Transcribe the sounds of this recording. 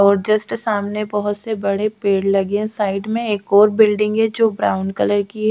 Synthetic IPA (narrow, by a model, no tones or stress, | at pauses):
ɔːɾd͡ʒəsʈsaːmnebɔɦʊt̪sebɐɽepeːɽlɐɡẽsaːɪɖmẽeːkɔːɾbɪlɖɪ̃ŋɡɛd͡ʒoːbɾa̰ːʊnɖkɐləɾkiɦ